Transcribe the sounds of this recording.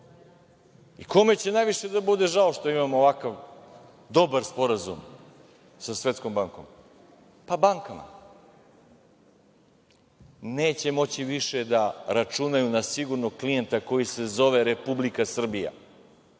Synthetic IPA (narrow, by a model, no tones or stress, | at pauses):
iko̞me̞t͡ɕe̞najʋiʃe̞d̪abud̪e̞ʒaoʃt̪o̞imamoːʋakaʋ | d̪o̞baɾspo̞ɾazṵm | sasʋet̪sko̞mbaŋko̞̰m | pabaŋkama̰ | ne̞ːt͡ɕe̞mo̞t͡ɕiʋiʃe̞d̪aɾat͡ʃunajunasiɡuɾnoɡ̚klijent̪ako̞jise̞zo̞ʋe̞ɾe̞publikasr̩bija̰